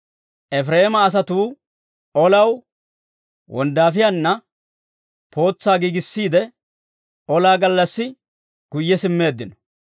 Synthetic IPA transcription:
ʔɛfɾeːmɐːs̬ɐt̪uː | ʔɔlɐw | wɔ̰nd̪aːfɪjanːɐ | po̞ːt͡sːaːɡiːɡɪsːiːd̪ɛ | ʔɔlaːɡɐlːɐsːɪ | ɡ̥ʊjːɛsɪmːe̞ːd̪ːɪnɔ̥

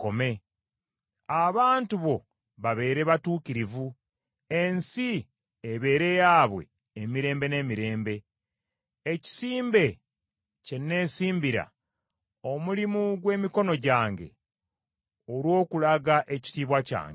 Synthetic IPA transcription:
ko̞me̞ | aβaːntuβo̞ | βaβe̞ːɾe̞βatuːkiɾivu | e̞nsi | eβe̞ːɾe̞jaβwe̞̰ː | miɾe̞ːmbe̞ne̞ːmiɾe̞ːmbe̞ː | ci̥siːmbe̞ | cenːe̞ːsiːmbiɾa̰ | o̞mulimuɡwe̞ːmiko̞no̞ɟaːŋɡe̞̰ | oɾwo̞ːkulaɡaʔe̞ci̥tiːβwaca̰ːŋɡe

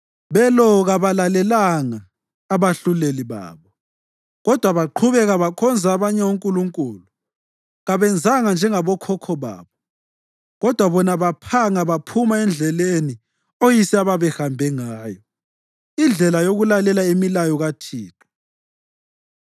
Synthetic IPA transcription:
βɛlɔɣaβalalɛlaŋaː | βaɬuleliβa̰ːβɔ | ɣɔd̥ʱwaβaǃʰuβɛɣaβakʰɔnd͡zʱaːβaɲɛuŋkʼuluŋkʼuːlu | ɣaβɛnd͡zʱaŋand͡ʒʱɛŋaβɔkʰɔkʰɔβa̰ːβɔ | ɣɔd̥ʱwaβɔnaβapʰaŋaβapʰumaɛnd͡ɮʱɛleni | ojisiaβaβɛhambʱɛŋaːjɔ | ind͡ɮʱɛlajoɣulalɛlaemilajɔɣatʰiːǁʰɔ̥

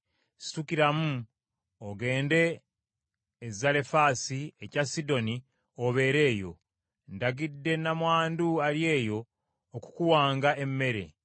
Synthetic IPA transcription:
si̥tukiɾamu | oɡe̞ːnde̞ | zale̞faːsiecasido̞ni | o̞βe̞ːɾe̞ːjo̞̰ | ndaɡidːe̞namwaːnduaɾje̞ːjo̞ː | ku̥kuwaːŋɡae̞mːe̞ɾe̞̰

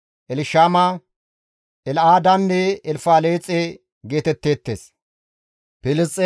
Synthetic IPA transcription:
ʔɛlɪʃaːmɐ | ɛlʔaːd̪ɐnːɛɛlfaːleːt͡sʼːe | ɡe̞ːt̪ɛt̪ːeːt̪ːḛːs | pɪlɪst͡sʼːɛ

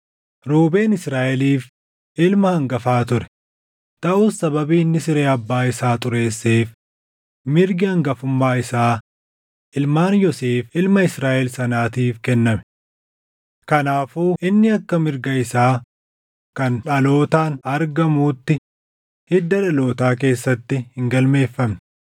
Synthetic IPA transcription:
ɾuːbe̞ːnɪsɾaːʔɛliːf | ʔɪlmɐhɐŋɡɐfaːt̪ʊɾɛ̥ | t̪ɐʔuːsːɐbɐbiːɪnːɪsɪɾeːɐbːaːɪsaːt̪ʼʊɾe̞ːsːeːf | mɪɾɡɪɐŋɡɐfʊmːaːɪsaː | ʔɪlmaːnjɔseːfɪlmɐɪsɾaːʔɛlsɐnaːt̪iːfkɛnːɐmɛ̥ | kɐnaːfuːʔɪnːɪɐkːɐmɪɾɡɐɪsaː | kɐnᶑɐlo̞ːt̪aːnɐɾɡɐmuːt̪ːɪ | hɪd̪ːɐᶑɐlo̞ːt̪aːk̬e̞ːsːɐt̪ːɪhɪŋɡɐlme̞ːfːɐmn

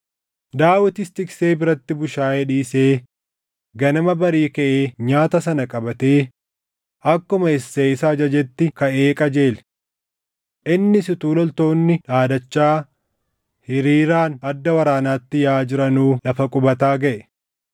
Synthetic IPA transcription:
d̪aːwɪt̪ɪst̪ɪkse̞ːbɪɾɐt̪ːɪbʊʃaːʔɛᶑiːseː | ɡɐnɐmɐbɐɾiːkɐʔeːɲaːt̪ɐsɐnɐkʼɐbɐt̪eː | ʔɐkːʊmɐɪsːeɪsad͡ʒɐd͡ʒɛt̪ːɪkɐʔeːkʼɐd͡ʒe̞ːlɛ̥ | ʔɪnːɪsɪt̪uːlɔlt̪o̞ːnːɪᶑaːd̪ɐt͡ʃːaː | hɪɾiːɾaːnɐd̪ːɐwɐɾaːnaːt̪ːɪjaːd͡ʒɪɾɐnuːlɐfɐkʼʊbɐt̪aːɡɐʔɛ̥

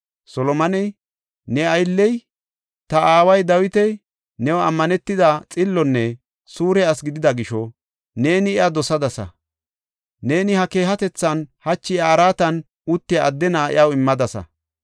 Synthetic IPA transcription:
sɔlɔmɐnɛj | nɛɐjlːɛj | t̪ɐaːwɐjd̪ɐwɪt̪ɛj | nɛwɐ̰mːɐnɛt̪ːɪd̪ɐt͡sʼɪlːɔnːɛ | suːɾɛɐsɡɪd̪ɪd̪ɐɡɪʃɔ | ne̞ːnɪɪɐd̪ɔsɐd̪ɐsɐ̰ | ne̞ːnɪhɐke̞ːɦɐt̪ɛt͡sːɐnhɐt͡ʃːɪaːɾaːt̪ɐn | ʊt̪ːɪːd̪ːɛnaɪ̰ɐwɪmːɐd̪ɐsɐ̰

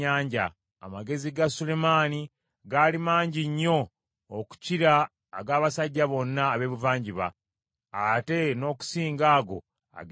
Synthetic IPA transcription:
aːɲɟa̰ | a̰maɡe̞ziɡasule̞maːni | ɡalimaːɲɟiɲːo̞ː | ku̥ciɾaː | ɡaːβasaɟːaβo̞nːaːβe̞ːβuvaːɲɟiβa̰ | ate̞no̞ːku̥siːŋɡaːɡo̞̰ | a̰ɡ

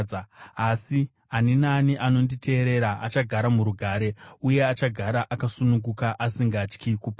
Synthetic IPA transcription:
asi | aninaniʔano̞nditʰe̞ːɾe̞ɾaat͡ʃaɡʱaɾamuɾuɡʱaːɾe̞uje̞at͡ʃaɡʱaɾaʔakasunukɡukaʔasiŋɡat͡ʃkikuːpa

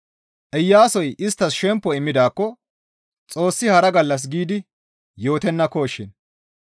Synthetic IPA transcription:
ʔɛjːaːsɔjɪst̪ːɐsʃɛmpːɔɪmːɪd̪aːkːɔ | t͡sʼo̞ːsːɪhɐɾɐɡɐlːɐs̬ɡiːd̪ɪ | jo̞ːt̪ɛnːɐkoːʃːɪn

